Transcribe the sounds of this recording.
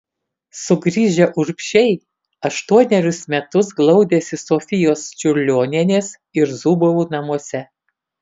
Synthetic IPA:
sʊɡɾʲiːʒʲɛʔʊɾʲpʲʃʲɛɪ | ɐʃt̪uɔnʲɛɾʲʊsmʲɛt̪ʊsɡlˠɒʊd̪ʲesʲɪsofʲɪjoːst͡ʃʲʊɾʲlʲoːnʲiɛnʲeːs | ɪɾzuːboʋuːnɐmuɔsʲɛ

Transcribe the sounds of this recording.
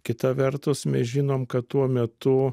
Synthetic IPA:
kʲɪt̪ɐʋʲɛɾt̪ʊsmʲɛsʒʲɪnoːmkɐt̪t̪uɔmʲɛt̪ʊ

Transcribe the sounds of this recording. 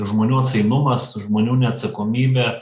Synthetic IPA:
ʒmoːnʲuːɐt̪sɐɪnʊmɐsʒmoːnʲuːnʲɛɐt̪sɐkoːmʲiːbʲɛ

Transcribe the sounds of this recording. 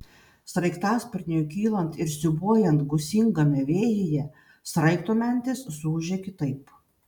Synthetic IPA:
sɾɐɪkt̪ɑːspʲɪɾʲnʲjuːkʲiːlˠɐnt̪ɪɾsʲɪbuɔjɛnt̪ɡʊsʲɪŋɡɐmʲɛʋʲeːjɪjɛ | sɾɐɪk̚t̪oːmʲɛˑnʲt̪ʲɪsːuːʒʲekʲɪt̪ɐɪp

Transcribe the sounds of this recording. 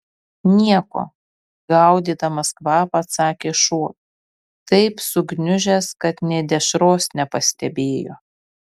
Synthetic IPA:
nʲiɛko̰ː | ɡɐˑʊd̪ʲiːt̪ɐmɐskʋɑːpɐt̪sɑːkʲeːʃuɔ | t̪ɐɪpsʊɡnʲʊʒʲɛskɐt̪nʲɛd̪ʲɛʃɾoːsnʲɛpɐsʲt̪ʲɛbʲeːjo̰ː

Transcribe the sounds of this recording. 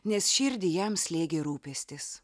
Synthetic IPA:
nʲɛsʃʲɪɾʲd̪ʲɪjɛmsʲlʲeːɡʲeːɾuːpʲɛsʲt̪ʲɪs

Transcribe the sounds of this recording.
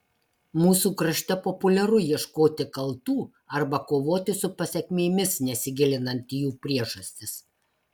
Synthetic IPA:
muːsuːkɾɐʃʲt̪ʲɛpɔpʊlʲɛɾʊjiɛʃkoːt̪ʲɪkɐlˠt̪uː | ɐɾbɐkoːʋoːt̪ʲɪsʊpɐsʲɛkʲmʲeːmʲɪsnʲɛsʲɪɡʲɪlʲɪnɐnʲt̪ʲjuːpʲɾʲiɛʒɐsʲt̪ʲɪs

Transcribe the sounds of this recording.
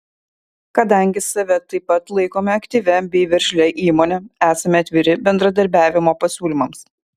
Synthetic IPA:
kɐd̪ɐŋʲɡʲɪsɐʋʲɛt̪ɐɪpːɐt̪lˠɐɪkoːmʲɛɐkt̪ʲiʋʲɛbʲɛɪʋʲɛɾʲʃʲlʲɛʔiːmoːnʲɛæːsɐmʲɛɐt̪ʲʋʲɪɾʲɪbʲɛnd̪ɾɐd̪ɐɾʲbʲæːʋʲɪmoːpɐsʲuːlʲɪmɐms

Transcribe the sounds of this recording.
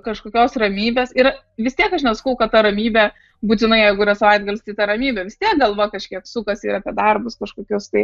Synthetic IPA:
kɐʃkoːkʲoːsrɐmʲiːbʲeːsɪ | ʋʲɪst̪ʲiɛkɐʃnʲɛsɐ̥kɐʊkɐt̪t̪ɐɾɐmʲiːbʲɛ | buːt̪ʲɪnɐɪjɛɪɡʊiːɾɐsɐʋɐɪd̪̚ɡɐlʲst̪ɐɪt̪ɐɾɐmʲiːbʲɛʋʲɪst̪ʲiɛk̚ɡɐlˠʋoːjkɐʃʲkʲiɛksʊkɐsiːɾɐpʲiɛd̪ɐrbʊskɐʃkoːkʲʊst̪ɐɪ

